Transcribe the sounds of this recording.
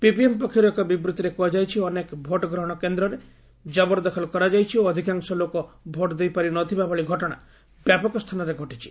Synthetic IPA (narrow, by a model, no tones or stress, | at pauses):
pipiempɔkʰiɾɔekɔbibɾut̪iɾekuad͡ʒajt͡ʃʰiɔnekbʱoʈɔɡɾɔɦɔɽ̃ɔkend̪ɾɔɾe | d͡ʒɔbɔɾd̪ɔkʰɔlɔkɔɾad͡ʒajt͡ʃʰioɔd̪ʱikaŋsɔlokɔ | bʱoʈd̪ejpaɾinɔt̪ʰibabɔɭiɡʱɔʈɔɽ̃a | bjapɔkɔst̪ʰanɔɾeɡʱɔʈit͡ʃʰi̥